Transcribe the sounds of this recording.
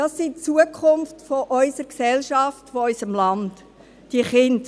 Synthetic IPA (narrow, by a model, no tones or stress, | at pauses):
d̥ɑsːit͡suəkʰʊmftfoʔœʏsəɾksɛlʃɑftfoœʏsəmlɑnt | d̥iəχɪnd